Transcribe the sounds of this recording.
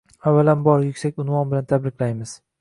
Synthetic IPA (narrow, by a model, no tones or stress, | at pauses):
avːalambɒɾjʊkʲsakʲʊnvɒnbɪlant̪ʰabɾɪqʲlajmɪz̥